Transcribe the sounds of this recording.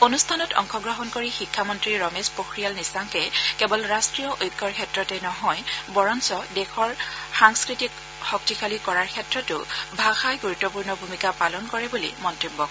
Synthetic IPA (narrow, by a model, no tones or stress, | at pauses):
onustʰanɔtɔ̰ŋkʰɔɡɹɔɦɔnkoɹixikʰːamɔntɹiɹɔmespoxɹijalnisaŋkɛkɛbɔlɹastɹijɔʔojkːɔɹkʰɛtɹɔtɛnɔɦɔjbɔɹɔnsɔdɛxɔɹxaŋskɹitik | xɔk̚tikʰalikɔɹaɹkʰɛtɹɔtʊbʱaxajɡuɹutːɔpuɹnɔbʱumikapalɔnkɔɹɛbulḭmɔntɹibːɔ